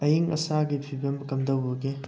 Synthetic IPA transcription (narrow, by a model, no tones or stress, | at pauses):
ɐjiŋɐ̰saɡipʰibɐmɐkɐmdɐwbɐɡe